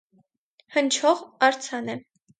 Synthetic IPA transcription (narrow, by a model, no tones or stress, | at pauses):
hənt͡ʃʰɔʁɑɾt͡sʰɑnɛ